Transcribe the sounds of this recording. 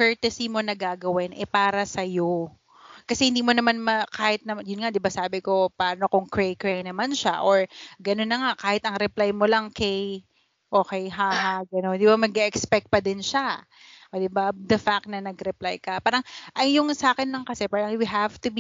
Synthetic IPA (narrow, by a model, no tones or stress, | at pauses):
kɛɹt̪ɛsimo̞nɐɡaːɡɐwɪnʔɛpaːɾɐsɐjo̞ | kɐsɛhɪnd̪iːmo̞nɐmanmɐkaːhɪt̪̚nɐmjʊnŋad̪ɪbasaːbɪko̞paːno̞kʊŋkɹejkɹejnɐmanʃaʔoɹɡɐno̞nːɐŋakaːhɪt̪ɐŋɾɛplajmo̞lɐŋkʰɐj | ʔoːkɛjɦaːɦaɡɐno̞nd̪ɪbamɐɡɛʔɛkspɛk̪̚pɐd̪ɪnʃa | ʔd̪ɪbad̪ɐfak̚t̪nɐnɐɡɾɛplajkɐpaːɾɐŋʔɐŋjʊŋsaːkɪnlɐŋkɐsɛpaːɾɐŋwiɦavt̪ʊb